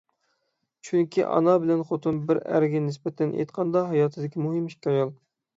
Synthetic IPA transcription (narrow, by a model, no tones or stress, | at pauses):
t͡ʃʰyŋkʲʰḭʔɑ̰nɑbɪlɛnχot̪ʰumbɪɾæ̰ɾɡʲɛnɪsbɛt̪ʰɛnʔḛjt̪qʰɑnd̪ɑɦɑjɑːt̪ʰɨd̪ɪkʲimuɦɪmiʃkʲɑjolˠ